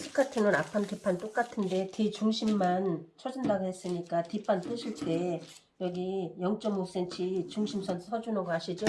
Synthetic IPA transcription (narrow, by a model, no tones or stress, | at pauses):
sʰɯ̥kʰatʰɯnɯnapʰantepʰant͈ok͈atʰɯnde̞tet͡ɕuŋɕʰimːant͡ɕʰʌd͡ʑindaɡohe̞s͈ɯɲik͈atipʰant͈ɯɕʰiɭt͈e̞ | jʌɡijʌŋt͡ɕ͈ʌmos͈e̞nt͡ɕʰit͡ɕuŋɕʰimsʰʌnsʰʌd͡ʑunʌɡɦaɕʰid͡ʑo